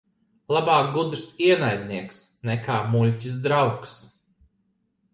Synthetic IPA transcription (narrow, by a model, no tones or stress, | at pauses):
lˠabaːk̚ɡud̪ɾsiɛnajd̪ʲniɛksnɛkaːmulʲcʲisd̪ɾawks